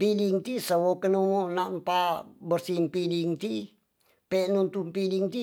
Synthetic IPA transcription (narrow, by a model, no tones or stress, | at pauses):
piliŋt̪isəwokənumonampabərsiŋpiliŋt̪i | peʔnunt̪umpiliŋt̪i